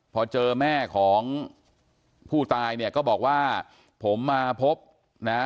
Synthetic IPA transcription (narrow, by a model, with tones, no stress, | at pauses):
pʰɔː˧t͡ɕɤː˧mɛː˥˩kʰɔː˩˦ŋ | pʰuː˥˩t̪aː˧jni˥˩ɐkɔː˥˩bɔː˨˩k̚waː˥˩ | pʰo˩˦mːaː˧pʰo˦˥p̚ | na˦˥